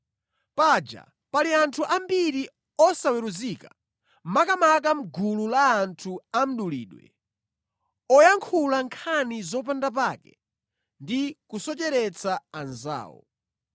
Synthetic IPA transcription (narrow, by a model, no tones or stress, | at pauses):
pad͡ʒa̰ | paliantʰuʔambiɾi | ɔsawɛɾuzika | makamak̬am̩ɡululaːntʰuam̩ɗulḭːɗwɛ̰ | ɔjaŋkʰulaŋkʰanizɔp̬andap̬akɛ̰ | ndikusɔt͡ʃɛɾɛt͡saanza̰ːwɔ̰